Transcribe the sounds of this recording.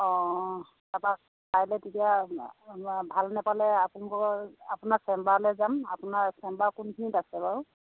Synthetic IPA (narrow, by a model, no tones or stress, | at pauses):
ɔ̃ | tapak̚ | pajlɛtetija | bʱalnɛpalɛapunikɔapʊnasɛmbaɹlɛzama̰pʊnaɹsɛmbaɹkunkʰinitasɛbaɹ